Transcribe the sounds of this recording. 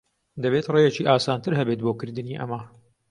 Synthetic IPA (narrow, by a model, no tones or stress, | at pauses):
d̪ɐβet̪reːjɛt͡ʃiːʔaːsaːnt̪ʰɨɾɦɐbet̪̚boːkɨɾd̪ɨniːʔɐ̰mɐ